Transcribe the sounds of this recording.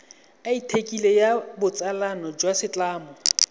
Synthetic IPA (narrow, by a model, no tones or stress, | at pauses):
aitʰekʼilejabʊt͡sʼalanɔd͡ʒwasɪt͡ɬʼaːmɔ